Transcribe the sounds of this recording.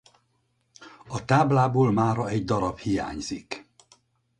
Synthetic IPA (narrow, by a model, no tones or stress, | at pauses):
ɒt̪aːblaːboːlmaːɾɒɛɟd̪ɒɾɒbhija̰ːɲzik